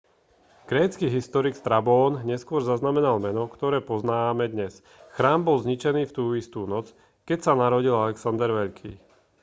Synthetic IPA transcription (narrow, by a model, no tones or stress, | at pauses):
ɡ̥ɾɛːt͡skiːɦist̪ɔɾikst̪ɾabɔːnɲɛskʊɔɾzaznamɛnalmɛnɔkt̪ɔɾɛːpɔznaːʋamɛd̪ɲɛs | xɾaːmbɔlzɲit͡ʃɛniːft̪uːist̪uːnɔt͡s | kɛcsanaɾɔɟilalɛksand̪ɛɾʋɛʎkʰḭː